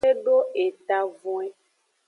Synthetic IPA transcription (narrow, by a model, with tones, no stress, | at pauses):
e˦ɖo˦e˨t̪a˨vũ˦e˦